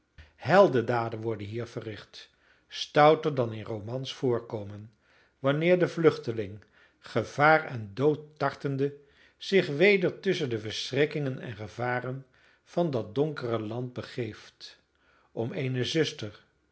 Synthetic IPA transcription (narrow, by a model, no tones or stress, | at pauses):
hɛlˠdədaːdənʋɔɹdənɦiːɹv̥ərɪχt | stʌwtəɹdɑnɪnrowmɑnsfʊːɹkowmən | ʋɑnɪːɹdəvlɵχtəlɪŋ | χəv̥aːrɛndowtːɑɹtəndə | z̥ɪχʋejdəɹtɵsəndəvəɹsrɪkɪŋənɛ̰nχəvaːrən | v̥ɑndɑt̚dɔŋkərəlɑnt̚bəχejft | ʔɔmejnəzɵstər